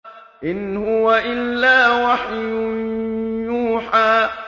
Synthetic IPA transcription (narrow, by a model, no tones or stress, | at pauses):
ʔɪnhʊwaʔɪlːaːwaħjʊ | juːħaː